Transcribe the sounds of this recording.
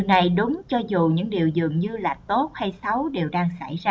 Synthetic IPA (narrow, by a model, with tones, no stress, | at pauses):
wna˨˩jɗʊ˨˦ŋ͡mt͡ɕɔ˧zu˨˩ɲɨ̰˧˥ŋɗi˨˩əwzɨ̰˨əŋɲɨ˧la̰ː˨˩t̪o˦˥t̚ha˧jsa˨˦wɗe˨˩wɗaː˧ŋsa̰˧˩jzaː˧